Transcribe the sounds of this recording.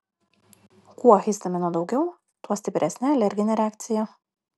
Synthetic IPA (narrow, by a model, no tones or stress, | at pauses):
kuɔxʲɪsʲt̪ɐmʲɛnuɔd̪ɒʊɡʲɛʊ | t̪uɔsʲt̪ʲɪpʲɾʲɛsʲnʲɛɐlʲɛɾʲɡʲɪnʲɛɾʲɛæːkt̪sʲɪjɛ